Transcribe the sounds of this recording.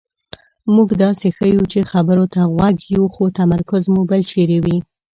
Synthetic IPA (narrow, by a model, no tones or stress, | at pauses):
muɡd̪ɑsexəjut͡ʃexabəɾot̪aɣwaɡjuxot̪amaɾkʊzmubəlt͡ʃeɾewi